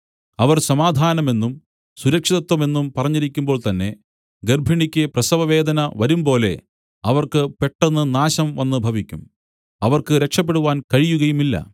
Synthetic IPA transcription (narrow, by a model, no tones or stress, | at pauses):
ɐʋɐrsɐmaːd̪ʱaːnɐme̞nːum | suɾɐkʂiðɐt̪wɐme̞nːumpɐrɐɲːiɾikʲːumbo̞ːɭt̪ɐnːe̞ | ɡerbʱiɳikʲːɨprɐsɐʋɐʋe̞ːd̪ɐnɐʋɐɾumpo̞ːle̞̰ | ɐʋɐrkɨpe̞ʈːenːɨnaːɕɐmʋɐnːɨbʱɐʋikʲːum | ɐʋɐrkɨɾekʂɐp̬ːe̞ɽuʋaːnkɐɻijuɣɐjumilːɐ̰